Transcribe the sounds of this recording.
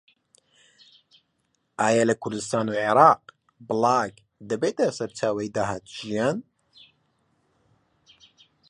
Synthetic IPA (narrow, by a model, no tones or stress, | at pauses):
ʔaːjalɐkʰʊɾd̪ɨst̪aːnuːʕeɾɑːq | bɨlɑːk | d̪ɐbeːt̪asɐɾt͡ʃʰaːwɛjd̪aɦaːt̪ʒijaːn